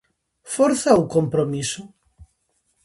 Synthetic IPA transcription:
fɔɾθaukompɾomisʊ

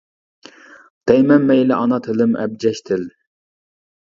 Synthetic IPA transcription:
d̪̥ɛjmɛmːɛjlɪʔɑnɑt̪ʰɪlɪmɛ̰b̚d͡ʒɛʃt̪ʰɪl

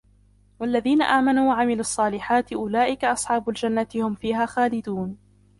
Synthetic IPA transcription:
walːaðiːna̰ʔaːmanuːwaʕamɪlʊɑsˤːɑːlɪħaːt̪ɪʔʊlaːʔɪkaʔɑsˤħɑːbʊld͡ʒanːat̪ɪhʊmfiːɦaːxaːlɪd̪uːn

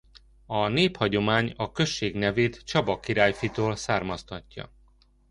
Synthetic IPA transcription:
ɒneːphɒɟo̞maːɲɒkø̞ʃːeːɡnɛveːt̪t͡ʃɒbɒkiɾaːjfit̪oːlsaːrmɒst̪ɒcːɒ̰

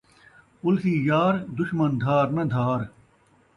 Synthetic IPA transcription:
ʊlsiːjaːɾd̪ʊʃmɐnd̪ʱaːɾnɐd̪ʱaːɾ

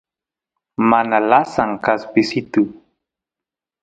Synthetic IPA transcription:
manalasaŋkaspɪsɪt̪ʊ

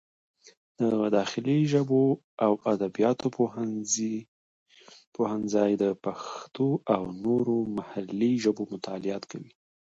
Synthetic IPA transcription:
d̪̥əd̪ɑxɪliʒəbo | awad̪abijɑt̪op | pʰohanzɑjd̪əpaxt̪oʔawnoɾomahalːiʒəbomʊt̪ʰɑlɪjɑt̪kawi

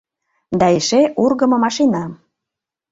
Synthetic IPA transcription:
d̪ɑeʃeʔurɣəmɤ̆mɑʃinɑ

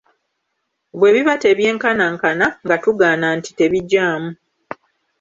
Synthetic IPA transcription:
βwe̞ːβiβate̞βje̞ːŋkanaŋkanaŋɡatuɡaːnanti̥te̞βiɟːaːmu

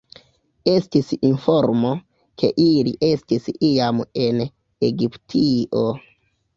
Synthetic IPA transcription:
e̞stisinfo̞ɾmo | kʰe̞̰ʔilḭʔe̞stisiame̞n | eɡiptʰiʔo

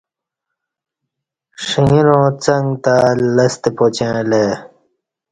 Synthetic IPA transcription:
ʂiŋiɾõːt͡sɐ̃ŋɡt̪alɐst̪epot͡ɕẽːleː

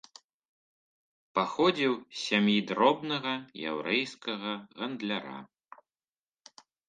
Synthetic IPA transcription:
paxɔd͡zʲiwsʲamjid̪ɾɔbnɐɣɐja̰wɾɛjskɐɣɐɣɐnd̪lʲaɾa̰

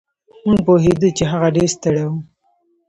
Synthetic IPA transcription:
munpoɦed̪ut͡ʃeɦaɣaɖeɾst̪əɽawu

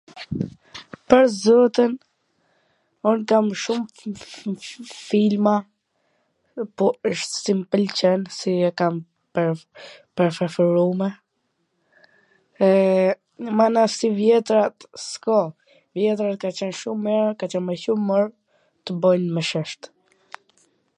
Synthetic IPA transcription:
pəɾzɔt̪ən | unkamʃum | filma | pɔəʃt̪simpəlt͡ɕɛnsiɛkam | pɛɾpɛɾfɛfɛɾumɛ | ɛ | əmanasivjɛt̪ɾat̪skɔ | vjɛt̪̬ɾat̪̚kat͡ɕɛnʃumːɛɾkat͡ɕɛnmɛçuməɾ | t̪əbɔjnməʃəʃt̪

